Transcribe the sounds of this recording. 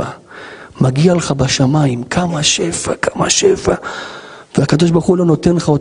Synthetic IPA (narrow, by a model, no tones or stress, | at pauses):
amaɡialeχabaʃamaimkʰamaʃefakʰama̰ʃefa | veakad̪o̞ʃ̬baʁχulo̞no̞t̪enlχaot